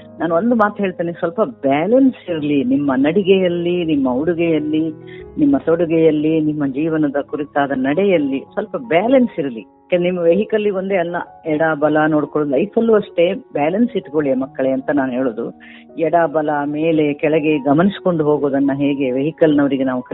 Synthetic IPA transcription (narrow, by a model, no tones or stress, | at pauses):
naːnond̪umaːt̪ɦe̞ːɭt̪iːnesʋɐlpɐbaːlɐnsiɾlinimːɐnɐɽiɡɛjɐlːinimːɐuɽuɡɛjɐlːinimːɐsoɽuɡɛjɐlːinimːɐd͡ʒiːʋɐnɐd̪ɐkuɾit̪aːd̪ɐnɐɽɛjɐlːisʋɐlpɐbɛːlɐnsiɾɐli | kennimːɐʋeɦikɐlːiʋond̪eːɐlːɐ̰ | ɛɽaːbɐlɐnoːɽkoɭod̪lɐjfʰɐlːuɐʂʈe̞baːlɐnsiʈːkoɭimɐkːɐɭe̞ɐnt̪ɐnaːnuɦe̞ːɭoːd̪ṵ | ɛɽaːbɐlɐme̞ːle̞kɛɭɛɡe̞ɡɐmɐnisko̞ɳɖuɦo̞ːɡoːd̪ɐnːɐɦeːɡe̞ʋeɦikɐlnɐʋɐɾiɡenaːʋukɐ